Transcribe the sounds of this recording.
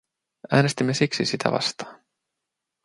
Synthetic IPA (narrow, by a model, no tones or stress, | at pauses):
æːnest̪imːe̞siksisit̪ʰæ̰ʋɑ̰st̪ɑ̥ːn